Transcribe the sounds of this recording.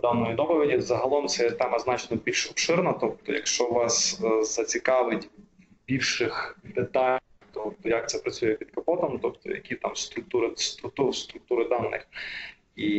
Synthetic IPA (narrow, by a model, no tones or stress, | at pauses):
d̪ɑnːɔjid̪ɔpɔʋʲidʲizɐɦɐlˠɔmt̪sɛt̪ɛmɐznɑt͡ʃnɔbʲilʲʃɔpʃɪrnɐt̪ɔp̚t̪ɔjɐ̰kʃt͡ʃɔʋɑsz̥ɐt͡sʲikɑʋɪtʲ | bʲiwʃɪxd̪ɪt̪ɑ | t̪ɔp̚t̪ɔjɐk̚t̪sɛpɾɐt͡sʲujɛpʲid̪kɐpɔt̪ɐmt̪ɔpt̪ɔ̰jɐ̰kʲit̪ɑmst̪ɾʊk̚t̪uɾɪst̪ɾʊkt̪ust̪ɾʊk̚t̪uɾɪd̪ɑnːɪ̰x | i